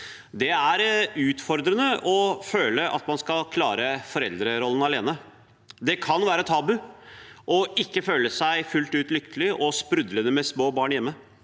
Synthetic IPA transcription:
d̪ɛæɾʉːt̪fɔɾd̪ɾənəʔɔføːləʔɑ̰t̪mɑnskɑlkʰlɑːɾəfɔɾɛld̪ɾəɾɔlːən̩ɑleːnə | d̪ɛkʰɑnʋæːɾət̪ʰɑːbʉʔɔɪkːəføːləsæɪfʉlt̪ʉːt̪lʏkt̪əlɪʔɔspɾʉd̪lənəmɛsmoːbɑːɳjɛmːə

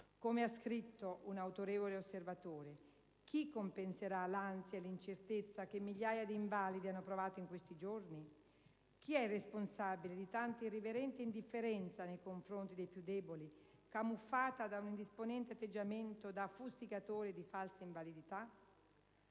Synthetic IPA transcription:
komeaskɾit̪ːoʔunawt̪oɾeːvoleosːervat̪oːɾe | k̟ʰikːompenseɾalansjaelint͡ʃert̪et̪sːak̟emːiʎːaːjad̪iːɱvaːlid̪ianːopɾovaːt̪oiŋkwest̪id͡ʒorni | k̟iɛresponsabiled̪it̪ant̪iriveɾɛnt̪eind̪ifːeɾɛnt̪sanejkoɱfɾont̪id̪ejpjud̪ːɛːbolikamufːaːt̪ad̪aunind̪isponɛnt̪eat̪ːed͡ʒːament̪od̪afust̪ikat̪oːɾed̪ifalsaiɱvalid̪it̪a

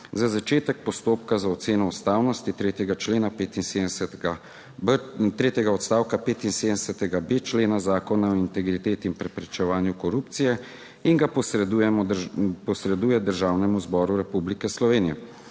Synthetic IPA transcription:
zazat͡ʃeːt̪ɛk̚pɔst̪oːpkazaɔt̪seːnɔːst̪aːwnɔst̪it̪ɾeːt̪jɛɡat͡ʃleːnapeːt̪insed̪nsɛt̪ɡa | bt̪ɾeːt̪jɛɡaɔt̪st̪aːwkapeːt̪inseːd̪ənsɛt̪ɛɡabeːt͡ʃleːnazaːkɔnaɔint̪ɛɡɾit̪eːt̪iːnpɾɛpɾɛt͡ʃɛʋaːnjukɔɾuːp̚t̪sijɛ | iŋɡapɔsɛd̪ujɛɔpɔsɾɛd̪uːjɛd̪əɾʒaːwnɛmuzbɔːɾuɾɛpublikɛslɔʋeːnijɛ

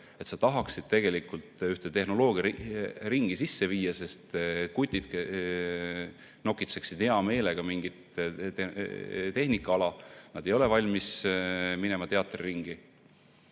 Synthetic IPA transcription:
e̞t̪sɑt̪ɑɦɑksid̪̥̚t̪e̞ɡ̥e̞likult̪yht̪et̪e̞hno̞lo̞ːɡ̥ijɑɾiŋɡ̥isisːe̞viːjːɑse̞st̪kut̪ʲːid̪̥ke | no̞kːit̪se̞ksid̪̥heɑme̞ːle̞ɡ̥ɑmiŋɡ̥it̪ | t̪e̞hnikːˑɑɑlɑnɑd̪̥e̞jo̞le̞vɑlʲmismine̞mɑt̪e̞ɑt̪ːˑrriŋɡ̥i

